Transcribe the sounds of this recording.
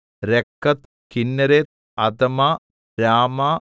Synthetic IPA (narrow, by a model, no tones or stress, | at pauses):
ɾekːɐt̪ | kinːɐɾeːt̪̚ | ɐd̪ɐmaː | ɾaːmaː